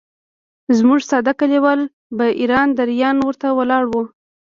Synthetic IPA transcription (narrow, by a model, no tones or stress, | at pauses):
zmuʐsɑd̪akaliwəl | baʔiɾɑnd̪aɾjɑnwəɾt̪awəlɑɽwu